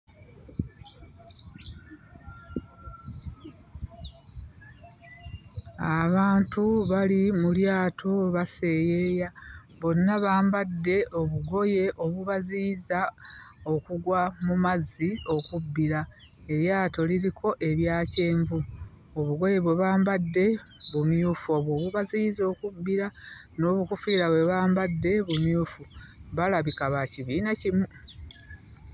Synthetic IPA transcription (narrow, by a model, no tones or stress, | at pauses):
aβaːntuβalimuljaːtʰo̞βase̞ːje̞ːja | βo̞nːaβaːmbadːe̞o̞βuɡo̞je̞ʔo̞βuβaziːzao̞kuɡwamumazio̞kubːiɾa | e̞ɾjaːto̞liɾikʰo̞ʔe̞βjaːce̞ːɱvu | o̞βuɡo̞je̞βwe̞βaːmbadːe̞βumjuːfo̞βwo̞ːβuβaziizo̞ːkubːiɾa | no̞ːβukufiːɾaβwe̞βaːmbadːe̞βumjuːfuβalaβikaβaciβiːnacimu